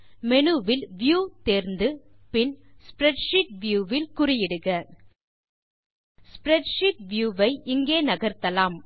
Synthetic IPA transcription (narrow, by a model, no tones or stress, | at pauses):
mɛnɯʋɪlʋjuːt̪eːɾnd̪ɯpɪnspɾɛʈʃɪʈ̚ʋjuːʋɪlkʊrɪjɪɽɯɣɐ | spɾɛʈʂɪʈ̚ʋjuːʋɐɪʔɪŋɡeːnɐɣɐɾt̪ɐlaːm